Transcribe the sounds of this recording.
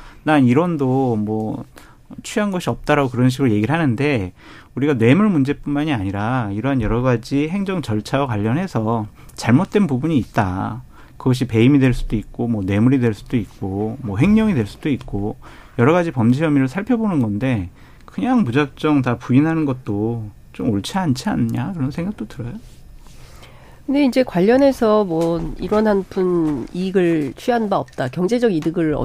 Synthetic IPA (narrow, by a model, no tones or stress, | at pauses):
naniɾʌndomwʌ | t͡ɕʰɥiɦanɡʌɕʰiʌp̚t͈aɾaɡokɯɾʌnɕ̬ʰiɡɯɾɭoje̞ɡiɾɭɦanɯnde̞ | uɾiɡane̞muɭmund͡ʑe̞p͈unmaɲiaɲiɾaiɾʌɦanjʌɾʌɡad͡ʑiɦe̞ŋd͡ʑʌŋt͡ɕʌɭt͡ɕʰawakwaʎːʌnɦe̞sʰʌt͡ɕaɭmot̚t͈we̞npubuɲiːt̚t͈a | kɯɡʌɕ̬ʰipe̞imidwe̞ɭs͈udoik̚k͈omwʌne̞muɾidweɭs͈ud̥oik̚k͈omwʌɦe̞ŋɲʌŋidwe̞ɭs͈ud̥oik̚k͈o | jʌɾʌɣad͡ʑipʌmd͡ʑijʌmiɾɯɭsʰaɭpʰjʌbonɯnɡʌnde̞ | kɯɲaŋmud͡ʑak̚t͡ɕ͈ʌŋtapuinɦanɯnɡʌt̚t͈o | t͡ɕomoɭt͡ɕʰiant͡ɕʰianɯɲakɯɾʌnsʰe̞ŋɡak̚t͈otɯɾʌjo | kkɯnde̞ind͡ʑe̞kwaʎːʌne̞sʰʌmwʌḭɾwʌnɦanpʰuniɡɯɭt͡ɕʰɥiɦanbaʌp̚t͈akjʌŋd͡ʑe̞d͡ʑʌɡidɯɡɯɭʌ̰